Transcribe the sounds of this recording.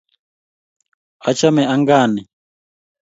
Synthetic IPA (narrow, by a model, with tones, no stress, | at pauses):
a˦t͡ʃa˦mɛ˨a˦ŋɡaː˦˨ni˨